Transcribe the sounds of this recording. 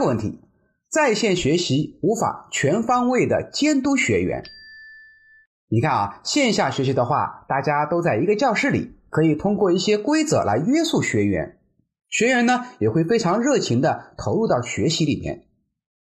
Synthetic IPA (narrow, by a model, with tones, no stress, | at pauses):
ə˧wə˥˩nt̪ʰi˧˥ | t͡sa˥˧ɪɕjɛ˥˩nɕɥɛ˧˥ɕi˧˥u˧˥fa̰˨˩˦t͡ɕʰɥɛ˧˥nfɑ˥ŋwe˥˩ɪd̪ə̰˩t͡ɕjɛ˥nt̪u˥ɕɥɛ˧˥ɥɛ̰˧˥n | ni˨˩kʰa˥˩n̰˨˩ɕjɛ˥˧nɕja˥˩ɕɥɛ˧˥ɕ̬i˧˥d̪ə˧xwa̰˥˩t̪a˥˩t͡ɕja˥t̪o˥ʊt͡sa˥˩ɪi˧˥ɡə˧t͡ɕjɑ˥˧ʊʂɻ̩˥˩lḭ˨˩˦kʰɤ˧˥i˨˩t̪ʰʊ˥ŋkwɔ˥˧i˥˩ɕjɛ˥kwe˥ɪt͡sɤ̰˧˥lʔa˧˥ɪɥɛ˥su˥˩ɕɥɛ˧˥ɥɛ̰˧˥n | ɕɥɛ˧˥ɥɛ˧˥nnə˧jɛ˨˩xwe˥˩ɪfe˥ɪʈ͡ʂʰɑ˧˥ŋɻɤ˥˩t͡ɕʰi˧˥ŋd̪ə˧t̪ʰo˧˥ʊlu˥˧t̪ɑ˥˩ʊɕɥɛ˧˥ɕi˧˥lḭ˨˩mjɛ̰˥˩n